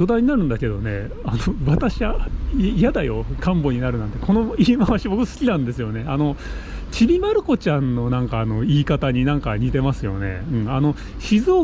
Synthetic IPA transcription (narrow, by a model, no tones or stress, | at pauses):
o̞d̪aiɲ̟inaɾɯ̟̃nd̪ake̞d̪o̞ne̞̰ | anoβat̪aɕiβaijad̪ajo̞̰kʰãmbo̞ɲ̟inaɾɯ̟nãnt̪e̞ko̞no̞iːmaβaɕibo̞kɯsɨ̥kʲinãnd̪e̞sɨjo̞ne̞ano̞t͡ɕibʲimaɾɯ̟ko̞t͡ɕãnːo̞nãŋkaːno̞iːkat̪aɲ̟inãŋkaɲ̟it̪e̞masɨjo̞̰ne̞̰ɯ̟̃ɴano̞ | ɕizoː